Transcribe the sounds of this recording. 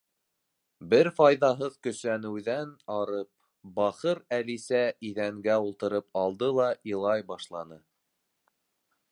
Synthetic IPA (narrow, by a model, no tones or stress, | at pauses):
bɘɾfɑjðɑɦɤðkɵ̆sænɘ̆wðænɑɾɤp̚ | bɑχɤɾælisæiðæŋɡæulˠt̪ɤ̆ɾɤp̚ɑlˠd̪ɤlˠɑilˠɑjbɑʃlˠɑnɤ